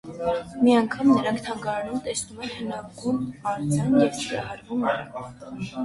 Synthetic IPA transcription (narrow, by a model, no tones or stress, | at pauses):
miɑŋkʰɑmnəɾɑŋkʰt̪ʰɑŋɡɑɾnumt̪ɛsnumɛnhənɑɡunɑɾut͡sʰjɑnjɛvk̪ʰəɾɑ̰hɑɾvunəɾɑ̰